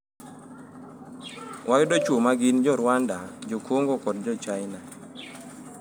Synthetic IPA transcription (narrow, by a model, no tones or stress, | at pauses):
wʔaɡɪdɔt͡ʃwomaɡind͡ʒɔɾwandad͡ʒokwoŋɡokɔd̚d͡ʒɔt͡ʃajna